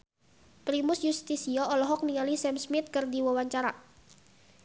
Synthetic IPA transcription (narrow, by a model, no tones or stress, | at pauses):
pɾimʊsjust̪isiɔɔlɔɦɔk̚niŋalisɛmsmɪt̪̚kɨrdiwəwaɲt͡ʃaɾa